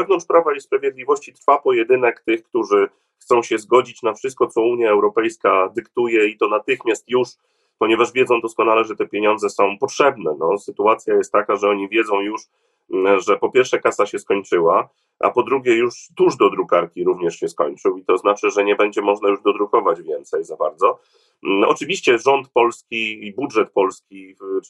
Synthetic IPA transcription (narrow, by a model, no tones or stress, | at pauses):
vɛvnɔnt͡ʂpɾavaispɾavʲjɛd̪lʲivɔɕt͡ɕit̪ɾfapɔjɛd̪ɘnɛkt̪ɘxkt̪uʐɘ | xt̪sɔ̃w̃ɕɛzɡɔd͡ʑit͡ɕnafʂɨst̪̚kɔt̪sɔuɲjaɛwɾɔpɛjskad̪ɘkt̪ujɛit̪ɔnat̪ɘxmʲjast̪juʂ | pɔɲɛvaʐvʲjɛdzɔ̃w̃d̪ɔskɔnalɛʐɛt̪ɛpʲjeɲɔ̃nd̪zɛsɔ̃w̃pɔtʂɛbnɛnɔsɘt̪uat̪sʲjajɛst̪ːakaʐɛɔɲivʲjɛd̪zɔ̃w̃juʂ | ʐɛpɔpʲjɛɾfʂɛkasaɕɛskɔɲt͡ʂɘwa | ʔa̰pɔd̪ɾuɡʲjɛjuʂt̪uʐd̪ɔd̪ɾukaɾkʲiɾuvɲɛʂɕɛskɔ̰ɲt͡ʂɘwit̪ɔznat͡ʂɘʐɛɲɛbɛɲd͡ʑɛmɔʐnajuʐd̪ɔd̪ɾukɔvad͡ʑvʲjɛnt̪sɛjzabaɾd̪zɔ | ɔ̰t͡ʂɘvʲiɕt͡ɕɛʐɔnt̪̚pɔlskʲiibudʐɛt̪̚pɔlskʲi